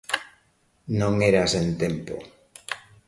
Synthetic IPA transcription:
nõŋeɾasent̪empo̰

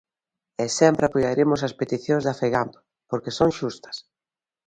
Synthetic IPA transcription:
ɛsɛmpɾapuʎaɾimʊsɐspet̪iθjoŋzðafeɣamp̪o̥ | poɾkesoŋʃust̪ɐ̥s

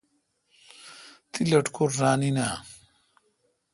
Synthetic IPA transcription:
t̪ilɐʈkuɾːaːninaː

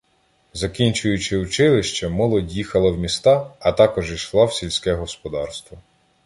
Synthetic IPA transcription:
zɐkʲinʲt͡ʃʊjʊt͡ʃɪʊt͡ʃɪlˠɪʃt͡ʃɐmɔlˠɔdʲjixɐlˠɐwmʲist̪ɑɐt̪ɑkɔʒiʃlˠɑwsʲilʲsʲkɛɦɔspɔd̪ɑrst̪ʋɔ

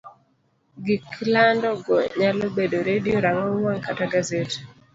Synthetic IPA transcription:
ɡiklandɔɡɔɲalɔbedoɾedioɾaŋɔwaŋkataɡazete̥

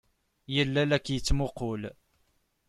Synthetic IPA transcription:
jəlːælækːjət͡sːmʊqʊl

